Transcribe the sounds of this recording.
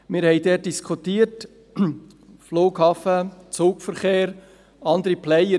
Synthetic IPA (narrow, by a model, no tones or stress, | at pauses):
mɪːɾhɛɪdɛt̚d̥iskʰχutiːət | floːkhɑːfət͡soːkfəɾχeːɾ | ɑnd̪əɾiplɛjə